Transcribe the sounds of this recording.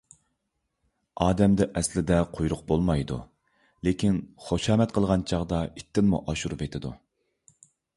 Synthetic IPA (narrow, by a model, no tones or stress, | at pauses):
ɑːd̪ɛmd̪ɛʔɛslɪd̪ɛqʰojɾʊqbolˠmɑjd̪ṵ | lekʲʰinχoʃɑːmɛt̪̚qʰəlˠʁɑnt͡ʃʰɑʁd̪ɑit̪ʰːɪnmṵʔɑʃuɾvet̪ʰɪd̪ṵ